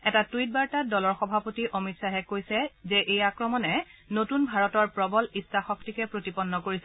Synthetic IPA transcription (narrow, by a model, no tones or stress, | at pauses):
ɛtatuit̚baɹtadɔlɔɹxɔbʱapotiʔomitsaɦɛkojsɛzɛʔejakɹɔmɔnɛnotunbʱaɹɔtɔɹpɹɔbɔlistaxɔktikɛpɹotipɔnːɔkoɹisɛ